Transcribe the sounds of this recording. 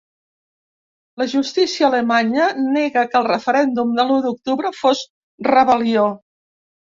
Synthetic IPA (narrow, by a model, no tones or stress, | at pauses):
ləʒust̪isiəːləmaɲənɛɣəkəlˠrəfəɾɛnd̪umd̪əluðuk̚t̪uβɾəfos | rəβəlio